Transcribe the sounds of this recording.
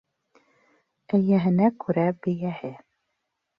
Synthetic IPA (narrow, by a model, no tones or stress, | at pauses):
æjæɦɘ̆nækʉɾæbɘ̆jæhɘ